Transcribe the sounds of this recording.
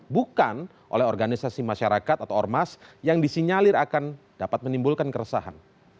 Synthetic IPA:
bukan | ʔo̰lɛɦɔrɡanisasimaʃaɾakat̪̚at̪awɔrmasjaŋdisiɲalɪɾakan | d̥apat̪̚mənimbulkankəɾəsa̰ɦa̰n

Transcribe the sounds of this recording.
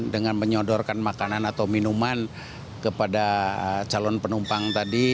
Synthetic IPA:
dəŋanməɲɔdɔrkanmakananat̪awminuman | kəpadat͡ʃalɔnpənumpaŋt̪adi

